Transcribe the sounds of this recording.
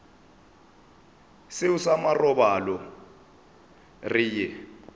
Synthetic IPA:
sɪusamarɔbalɔ | riːjɛ

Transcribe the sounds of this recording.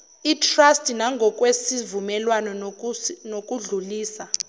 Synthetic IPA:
itʰrastʼinaŋɡʱɔk̬ʼwesivumɛlwanɔ | nokʼuɮuliːsa

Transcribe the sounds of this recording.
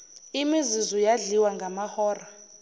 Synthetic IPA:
imizizɔjaɮiwaŋɡamahɔːra

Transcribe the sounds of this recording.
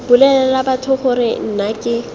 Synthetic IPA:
bʊlɛlɛlabatʰʊχʊɾɪn̩nakʼɪ

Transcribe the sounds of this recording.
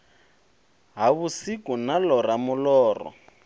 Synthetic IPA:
ɦaβusikunalɔramʊlɔːrɔ̰

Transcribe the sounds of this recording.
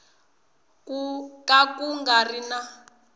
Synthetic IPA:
kakuŋɡarina

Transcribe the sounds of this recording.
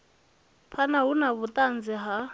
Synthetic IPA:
pʰanaɦunaβut̪ʼand͡ziɦa

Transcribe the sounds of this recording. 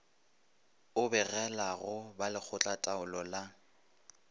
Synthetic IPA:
ʊbɛɣɛlaɣʊbalɪk͡xʰʊt͡ɬʼatʼaʊlɔla

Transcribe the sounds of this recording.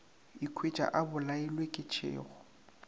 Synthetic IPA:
ikʰwet͡ʃʼa̰ʔabʊlaɪlwekʼɪt͡ʃʰḛːɣʊ

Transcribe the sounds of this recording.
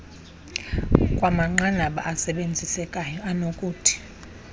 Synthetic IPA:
kʼwamaŋ͡ǃanaɓa̰ʔːsɛɓend͡zʱisɛkʼajɔanokʼuːtʰi̥

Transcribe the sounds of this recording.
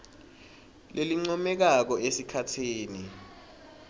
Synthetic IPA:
lʔeliŋ͡ǀɔmɛk̬ak̬ɔesikʰatʰeːni

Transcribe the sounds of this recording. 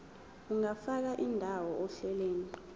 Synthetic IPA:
uŋafak̬aʔindʱawɔɔɬɛleːni

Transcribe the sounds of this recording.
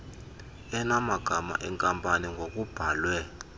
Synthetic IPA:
ɛnamaɡ̥ʱama̰ʔɛŋkʼampʼaniŋɡʱok̬ʼub̥ʱaːlwɛ

